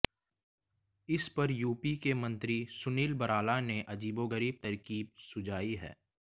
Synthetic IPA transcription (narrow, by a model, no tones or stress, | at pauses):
ɪspɐɾjuːpikemɐ̃nt̪ɾisʊniːlbɐɾaːlaneʔɐd͡ʒiːboɡəɾiːb̚t̪ɐɾkiːb̚sʊd͡ʒaːiɦɛ̰ː